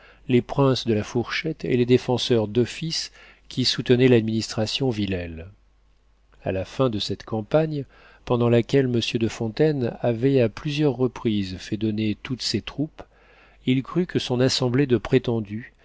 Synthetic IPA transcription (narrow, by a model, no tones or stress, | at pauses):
lepχɛ̃sd̪əlafuʁʃɛt̪ḛled̪efɑ̃sœʁd̪ɔfis | kʲʰisut̪ənɛlad̪minist̪χasjɔ̃vilɛl | a̰lafɛ̃d̪əsɛt̪kɑ̃paɲ | pɑ̃d̪ɑ̃lakʲɛlməsjød̪əfɔ̃t̪ɛnavɛaplyzjœʁːəpχizfɛd̪ɔnet̪ut̪set̪χup | ilkχykəsɔ̃nasɑ̃bled̪əpχet̪ɑ̃d̪y